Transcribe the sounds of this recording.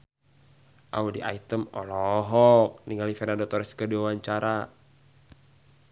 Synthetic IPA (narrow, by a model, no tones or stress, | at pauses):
ʔa̰udiʔa̰it̪əmɔ̰lɔɦɔk̚niŋɡalifɛnadɔt̪ɔɾɛskədiwawaɲt͡ʃaɾa